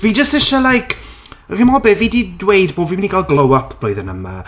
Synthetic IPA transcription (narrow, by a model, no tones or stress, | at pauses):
viːd͡ʒəstɪʃalajkʰrɪmɔbɛviːdidwejdboːviːmniɡalˠɡlˠowapʰb̥loɨðənəma̰